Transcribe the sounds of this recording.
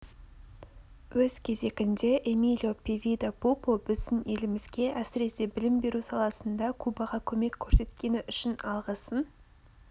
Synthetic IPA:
wɵzkʲʰe̞ze̞ɡʲɪnd̪e̞ʔemilʲo̞pʰʲevʲid̪apupobɪzd̪ɪne̞lɪmɪzɡʲe̞ʔæsɪɾe̞se̞bɪlɪmbe̞ɾusɑlˠɑsənd̪ɑkʰubɑʁɑkʲʰɵme̞kʲʰːɵɾse̞t̪kʲe̞nɪʔʏʃɪnɑlˠʁəsən

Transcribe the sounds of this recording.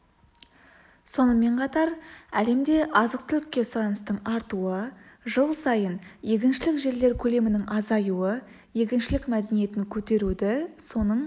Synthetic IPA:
so̞nəme̞ɴqʰɑt̪ɑɾæle̞md̪e̞ʔɑzəq̚t̪ʰʏlɪkʲːe̞sʊɾɑnəst̪əɴɑɾt̪uəʒəlˠsɑjənje̞kʲɪnʃɪlɪkʒe̞ɾle̞ɾkʲʰɵle̞mɪnɪŋʔɑzɑjuə | je̞kʲɪnʃɪlɪkmæd̪e̞nije̞t̪ɪŋkʲʰɵt̪e̞ɾud̪ɪso̞nəɴ

